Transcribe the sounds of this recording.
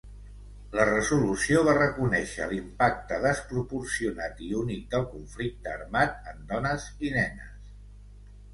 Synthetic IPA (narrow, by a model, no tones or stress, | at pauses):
lərəzulusioβ̞arəkunɛʃə̰limpak̚t̪əðəspɾupursiunat̪iunit̪̚d̪əlˠkuɱflik̚t̪əːɾmat̪̚ənd̪ɔnəzinɛnə̰s